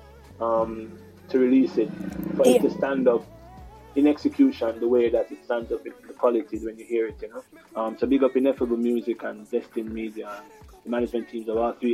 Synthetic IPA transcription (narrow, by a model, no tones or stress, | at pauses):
ʌ̃m | tʰɨɹilisɪt̚fə˞ɪtʰːɨstæ̃ndʌp̚ | ɪ̃nɛksɨkʰj̥uʃə̃nðəweɪðɨɾɨtstæ̃ndzʌpɪ̃nðəkʰw̥ɑlɪtiwɛ̃njɨhiəɹɪt̚jɨnoʊ | ʌ̃mtobɪɡʌpɨ̃nɛfəəbl̩ˠmjuːzɪkə̃ndɛstɪ̃nmiːdiəə̃nðəmanɪd͡ʒmɛ̃ntʰĩːmzəvɔlθɹi